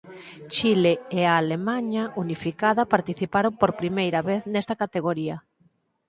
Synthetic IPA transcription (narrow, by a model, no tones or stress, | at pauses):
t͡ʃileeaːlemaɲaʔunifikaðɐpaɾt̪iθipaɾompoɾpɾimejɾɐβeθnɛst̪ɐkat̪eɣoɾiɐ